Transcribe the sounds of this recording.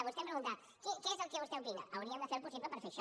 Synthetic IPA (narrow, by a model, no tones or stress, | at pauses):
aβost̪epɾeɣũnt̪aɾ | kekeezelkeβost̪eopiɣa̰aoɾiɐd̪aseɾposiβlepeɾfeʃa